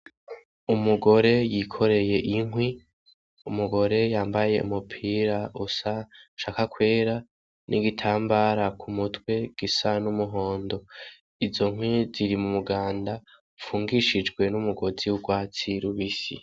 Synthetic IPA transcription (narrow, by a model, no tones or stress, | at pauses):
umuɡo̞ɾe̞jikʰo̞ɾe̞je̞ʔiŋɦwi | umuɡo̞ɾe̞jaːmbaje̞̰ṵmupʰiːɾaʔusaʃaːkakwe̞ːɾa | nʔḭɡitʰaːmbaːɾakʰumutwe̞ɡ̥isanumuɦo̞ːndo̞ | izo̞ŋwiziɾimumuɡaːnda | fuːŋɡiʃid͡ʒɡwe̞numuɡo̞ziuɡwaːt͡siɾuβisḭ